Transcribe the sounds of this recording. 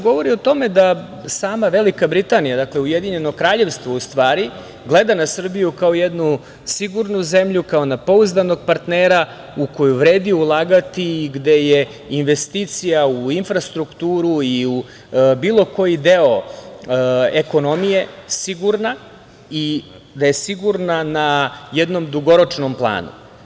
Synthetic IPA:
ɡo̞ʋo̞ɾio̞t̪o̞me̞d̪a | saːmaʋe̞likabɾit̪aːnijad̪akleujed̪iɲe̞nokɾaːʎe̞ʋst̪ʋoust̪ʋaːɾi | ɡlˠe̞d̪anasr̩bijukaojed̪nu | siɡuɾnuze̞mʎukaonapo̞uzd̪ano̞ɡ̚paɾt̪neːɾa | uko̞juʋɾeːd̪iulˠaːɡat̪iːɡd̪e̞je̞ | inʋest̪it̪sijauinfɾast̪ɾukt̪uːɾuiu | biːlˠo̞ko̞jid̪eo | eko̞nomije̞siɡuɾna | i | d̪ajesiɡuɾnanajɛd̪nomd̪uɡoɾot͡ʂnomplˠa̰ːnṵ

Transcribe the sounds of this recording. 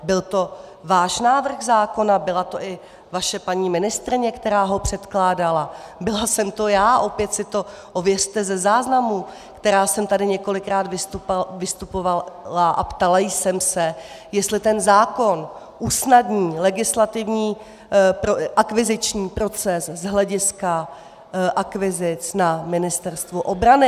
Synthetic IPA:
bɪlt̪o̞vaːʃnaːvr̩xzaːko̞nabɪlat̪o̞ʔɪ | vaʃɛpaɲiːmɪnɪst̪ɾɪɲɛkt̪ɛɾaːɦo̞pr̝̥ɛt̪klaːdalabɪlasɛmt̪o̞jaːʔo̞pjɛt̪sɪt̪o̞ | ʔo̞vjɛr̝̥t̪ɛzɛzaːznamu | kt̪ɛɾaːsɛmt̪adɪɲɛko̞lɪkɾaːt̪vɪst̪upvɪst̪upovalaʔa̰pt̪alajsɛmsɛ | jɛst̪lɪt̪ɛnzaːko̞n | ʔusnadɲiːlɛɡɪslat̪ɪvɲiː | pʔakvɪzɪt͡ʃɲiːpɾo̞t͡sɛszɦlɛɟɪska | ʔakvɪzɪt͡snamɪnɪst̪ɛɾst̪vuʔo̞bɾanɪ

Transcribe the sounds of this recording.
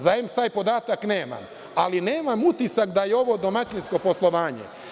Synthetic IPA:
zajemst̪aːjpo̞d̪aːt̪akne̞ːma̰m | alineːmamut̪isakd̪ajeo̞ʋo̞d̪o̞mat͡ɕinsko̞po̞slˠo̞ʋaːɲḛ

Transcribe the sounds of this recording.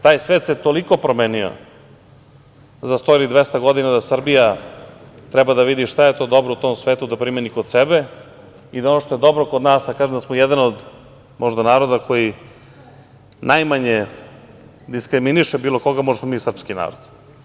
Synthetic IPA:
t̪aːjsʋeːt̪set̪o̞liko̞pɾomeːnio̰ | zast̪oɾid̪ʋɛst̪aɡo̞d̪inad̪asr̩bija | t̪ɾɛbad̪aʋid̪iʃt̪ajet̪o̞d̪o̞bɾout̪o̞msʋeːt̪ud̪apɾimenikod̪sɛbe | id̪aonoʃt̪o̞jed̪o̞bɾokod̪naːsakaːʒemd̪asmojɛd̪anod̪ | mʔoʒd̪anaːɾo̞d̪akʰo̞ji | najmaɲe | d̪iskɾiminiʃebiːlo̞ko̞ɡamoʒesmo̞miːsr̩pskina̰ːɾod̪

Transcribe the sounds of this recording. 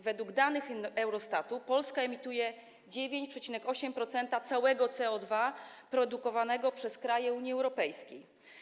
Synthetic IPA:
vɛd̪wuɡd̪anɘxɛwɾɔst̪at̪upɔlskaɛmʲit̪ujɛ | d͡ʑevʲjeɲt͡ɕpʂɛt͡ɕinɛkɔɕɛmpɾɔt̪sɛnt̪at̪sawɛɡɔt̪sɛɔd̪vapɾɔd̪ukɔvanɛɡɔpʂɛskɾajɛuɲjiɛwɾɔpɛjskʲej

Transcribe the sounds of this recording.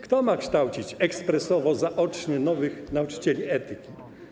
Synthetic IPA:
kt̪ɔmakʂt̪awt͡ɕit͡ɕɛkspɾɛsɔvɔzaʔɔt͡ʂɲɛnɔvɘxnaut͡ʂɘ̥t͡ɕɛlʲiɛt̪ɘkʲi

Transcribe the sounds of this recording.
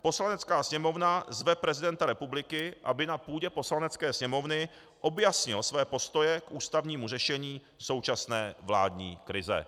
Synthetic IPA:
po̞slanɛt͡skaːsɲɛmo̞vnazvɛpɾɛzɪdɛnt̪aɾɛpublɪkɪʔa̰bɪnapuːɟɛpo̞slanɛt͡skɛːsɲɛmo̞vnɪ | ʔo̞bjasɲɪlsvɛːpo̞st̪o̞jɛkʔuːst̪avɲiːmur̝ɛʃɛɲiː | so̞wt͡ʃasnɛːvla̰ːdɲḭːkɾɪzɛ̰

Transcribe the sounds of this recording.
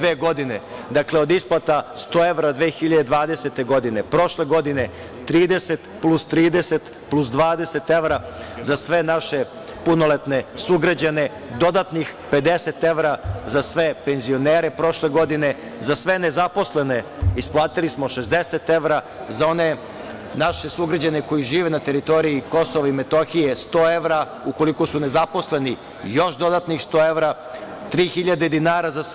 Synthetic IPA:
eːɡo̞d̪ined̪akleo̞d̪isplˠat̪ast̪oːeʋɾad̪ʋeːxiʎad̪ed̪ʋaːd̪e̞set̪e̞ɡo̞d̪ine̞pɾo̞ʃle̞ɡo̞d̪ine̞ | t̪ɾiːd̪eset̪plˠust̪ɾiːd̪eset̪ | plus̬d̪ʋaːd̪e̞set̪eʋɾazasʋe̞naʃe | puno̞let̪ne̞suɡɾad͡ʑane̞ | d̪o̞d̪at̪nixpe̞d̪eset̪e̞ʋɾazasʋepe̞nzio̞neːɾepɾo̞ʃleɡo̞d̪ine̞ | zasʋenezapo̞slene | isplˠaːt̪ilismo̞ʃezd̪eset̪eʋɾa | zao̞ne | naʃesuɡɾad͡ʑaneko̞jiʒiːʋenat̪eɾit̪o̞ɾiiko̞soʋaimet̪oxijest̪oːeʋɾa | uko̞likosune̞zapo̞sleni | joʃd̪o̞d̪at̪nixst̪oːeʋɾa | t̪ɾiːxiʎad̪ed̪inaːɾazas

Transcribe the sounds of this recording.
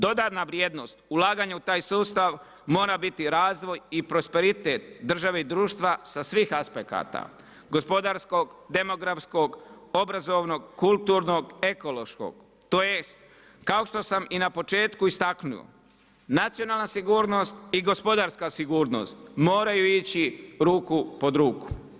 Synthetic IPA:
d̪o̞d̪aːt̪naʋɾjeːd̪no̞ːst̪ulaːɡaɲaut̪aːjsuːst̪aʋ | mo̞ːɾabit̪iɾaːzʋo̞jipɾo̞spe̞ɾit̪et̪d̪r̩ʒaʋe̞id̪ɾuːʃt̪ʋasasʋiːxaspeka̰ːt̪a̰ | ɡo̞spo̞d̪aɾsko̞ɡd̪e̞mo̞ɡɾafsko̞ɡ | o̞bɾazo̞ʋno̞ɡkulˠt̪uːɾno̞ɡe̞ko̞lo̞ʃko̞̰ɡ̥ | t̪oːjest̪ | kao̞ʃt̪o̞saminapo̞t͡ʃe̞ːt̪kuist̪aknṵo̰ | nat̪sijo̞naːlˠnasiɡuːɾno̞st̪̚iɡo̞spo̞d̪aːɾskasiɡuːɾno̞̰st̪mo̞ːɾajuit͡ɕiɾuːkupo̞d̪ɾuːku̥

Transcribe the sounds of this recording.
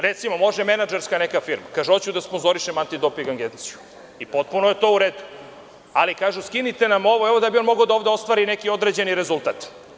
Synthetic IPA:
ɾet̪simomo̞ʒeme̞nad͡ʒeɾskanekafiɾmakaʒeot͡ɕud̪aspo̞nzo̞ɾiʃemant̪id̪opiŋɡaŋɡent̪siju | ipo̞t̪̚punojet̪o̞uɾeːd̪u | alikaːʒuskinit̪e̞namo̞ʋo̞eʋo̞d̪abio̞nmo̞ɡad̪ao̞ːvd̪ao̞st̪ʋaːɾine̞kio̞d̪ɾed͡ʑe̞niɾezulˠt̪aːt̪

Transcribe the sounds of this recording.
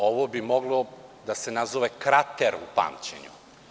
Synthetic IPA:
oʋobimo̞ɡlˠod̪ase̞nazoʋekɾat̪eɾupa̰ːmt͡ɕḛɲṵ

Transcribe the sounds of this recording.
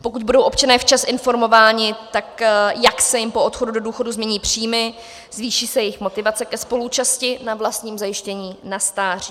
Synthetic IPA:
po̞kuc̚budo̞wʔo̞pt͡ʃanɛːft͡ʃasʔɪnfo̞ɾmo̞vaːɲɪt̪akjaksɛjɪmpoʔot̪xodudo̞duːxo̞duzmɲɛɲiːpr̝̥iːmɪ | zviːʃiːsɛjɛjɪxmo̞t̪ɪvat͡sɛkɛspo̞lut͡ʃascɪnavlast̪ɲiːmzajɪʃcɛɲiːnast̪aːr̝̥i

